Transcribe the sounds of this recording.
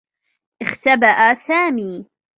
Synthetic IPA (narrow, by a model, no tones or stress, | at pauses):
ʔɪxt̪abaʔasaːmiː